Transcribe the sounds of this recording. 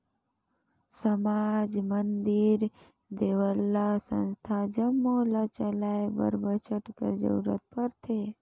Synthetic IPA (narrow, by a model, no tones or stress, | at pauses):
səmad͡ʒmənd̪iɾ | d̪eʋəlːasə̰̃nst̪ʰad͡ʒəmːolat͡ʃəlaebə̰ɾbət͡ʃʰəʈkə̰ɾd͡ʒə̰uɾə̰t̪̚pəɾt̪ʰe